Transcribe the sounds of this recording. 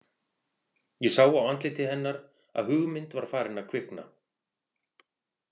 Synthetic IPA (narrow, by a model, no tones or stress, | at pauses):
jɛsaːwawant̪lɪt̪ʰɪɦɛnːaɾ | a̰ðɦʏɣmɪnt̪vaɾ̥faːɾɪnːakʰvɪhkna̰